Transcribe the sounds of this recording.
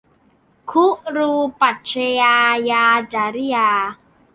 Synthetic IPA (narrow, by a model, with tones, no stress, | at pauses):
kʰu˦ʔɾu˧pa˨˩tt͡ʃe˧aː˧jaː˧d͡ʒa˨ɾi˦aː˧